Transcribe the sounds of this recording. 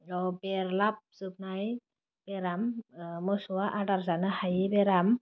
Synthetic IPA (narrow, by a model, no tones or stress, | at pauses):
ɔbɛɾlap̚zɯp̚naj | b̥ɛɾammɔsuwaʔadaɾzanɯhajibɛɾam